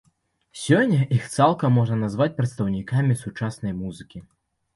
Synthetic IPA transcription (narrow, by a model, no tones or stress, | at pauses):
sʲɔnʲːɐʔixt̪salˠkɐmːɔʐnɐnazvat͡sʲpɾɐt̪st̪ɐwnʲikamʲisut͡ʂasnɐjmuzɨkʲi